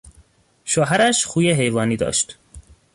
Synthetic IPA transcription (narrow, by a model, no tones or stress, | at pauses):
ʃoːɦæɾæʃxuːjeɦejvɒːniːd̪ɒ̰ːʃt̪